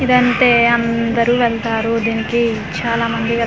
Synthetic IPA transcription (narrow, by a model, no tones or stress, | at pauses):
id̪ɐnʈ̪e̞ːɐnd̪ɐɾuːʋɛɭt̪aːɾud̪iːnikit͡ʃaːlaːmɐnd̪iʋɛ